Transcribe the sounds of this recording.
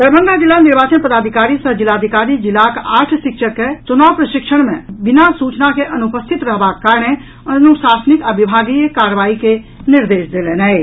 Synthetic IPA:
d̪̥əɾbənɡad͡ʒilːaniɾbat͡ʃənpəd̪aːd̪ʱikaɾisəɦd͡ʒilaːd̪ʱikaɾid͡ʒilːakaʈʰsikʃʰəkːet͡ʃunawpɾəʃikʃʰəɽ̃mẽbinasut͡ʃnakeʔənupəst̪ʰit̪ɾəɦbakːaɾne | ənuʃasnikabibʱaɡijkaɾʋaike | niɾd̪eːsd̪elenɛ

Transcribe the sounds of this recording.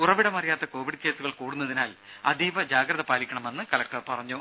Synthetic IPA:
urɐʋiɽɐmɐrijaːt̪ːɐko̞ːʋiɽɨke̞ːsuɣɐɭkuːɽunːɐðinaːlɐ̰d̪iːʋɐd͡ʑaːɡɾɐðɐpaːlikʲːɐɳɐme̞nːɨkɐlɐk̚ʈɐrpɐrɐɲːu

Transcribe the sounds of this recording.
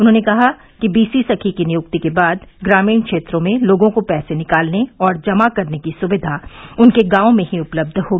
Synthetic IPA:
ʊnɦõːnekɐɦa | kibiːsisɐkʰikinɪjʊkt̪ikebaːd̪ɡɾaːmiːnkʃeːt̪ɾõmẽloːɡõkopɛːsenɪkaːlneɔːɾd͡ʒɐmakɐɾnekisʊʋɪd̪ʱaʊnkeɡãːõmẽɦiʊpləb̚d̪ʱhoːɡiː

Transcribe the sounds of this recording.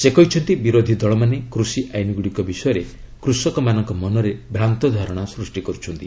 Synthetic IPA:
sekɔɦit͡ʃʰɔnt̪ibiɾod̪ʱid̪ɔɭɔmanekɾusiʔajniɡuɽikɔbisɔjɔɾe | kɾusɔkɔmanɔŋkɔmɔnɔɾebʱɾant̪ɔd̪ʱaɾɔɽ̃asɾusʈikɔɾut͡ʃʰɔnt̪i

